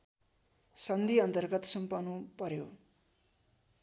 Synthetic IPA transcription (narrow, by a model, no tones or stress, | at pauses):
sʌnd̪ʱiʌnt̪ʌrɡʌt̪sʌmpʌnupʌɾjo